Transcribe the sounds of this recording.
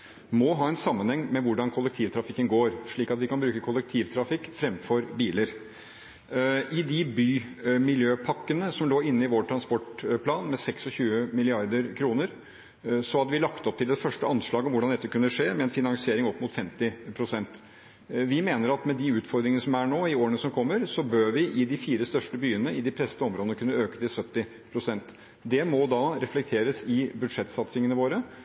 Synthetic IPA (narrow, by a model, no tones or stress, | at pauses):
mɔɦɑːɛnsɑmːənhɛŋːmɛʋʊɖɑnkʰɔlːɛk̚t̪ʰiːʋt̪ʰɾɑfɪkːənɡoːɾʂɭiːkɑt̪ʋɪkɑnbɾʉːkəkʰɔlːɛk̚t̪ʰiːʋt̪ʰɾɑfɪkːfɾɛmfɔɾbiːləɾ | ʔɪd̪ɪbyːmɪljøːpʰɑkːənəsɔmloːɪnːəɪʋoːʈʰɾɑnspɔʈpʰlɑːnmɛsɛksɔçʉːəmɪlɪɑɾd̪əɾkʰɾuːnəɾ | sɔhɑd̪ːəʋɪlɑkt̪ɔp̚t̪ɪld̪ɛt̪fœʂʈəʔɑnʂɭɑːɡɔmʋʊɖɑnd̪ɛt̪ːəkʉnːəʂeːmɛɛnfɪnɑŋsɪeːɾɪŋɔpːmʊt̪fɛmt̪ɪpʰɾʊsɛnt̪ | ʋɪmeːnəɾɑt̪mɛd̪ɪʉːt̪fɔɾd̪ɾɪŋənəsɔmæɳoːɪoːɾənəsɔmkʰɔmːəɾsɔbøːɾʋɪʔɪd̪ɪfiːɾəst̪œʂʈəbyːənəɪd̪ɪpʰɾɛsət̪əɔmɾoːd̪ənəkʰʉnːəøːkət̪ɪlsœt̪ːɪ | pʰɾʊsɛnt̪ | d̪ɛmɔd̪ɑɾɛflɛk̚t̪ʰeːɾəsɪbʉd̪ʂɛt̪ːsɑt̪sɪŋənəʋoːɾə